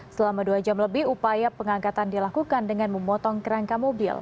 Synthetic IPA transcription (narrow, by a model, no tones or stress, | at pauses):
səlamaduad͡ʒamləbɪhupajapəŋaŋkat̪andilakukandəŋanməmɔt̪ɔŋkəɾaŋkamobɪ̰l